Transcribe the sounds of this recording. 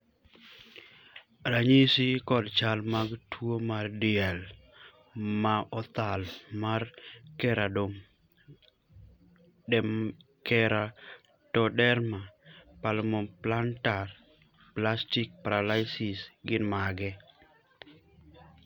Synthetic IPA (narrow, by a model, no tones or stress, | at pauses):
ɾaɲisikɔdt͡ʃalmaɡtʰwomardɪɛl | maʔɔt̪almarkɛɾadom | dɛ | kɛɾa | tɔdɛɾmapalmɔplantar | plastɪk̚paɾalajsɪsɡɪnmaɡɛ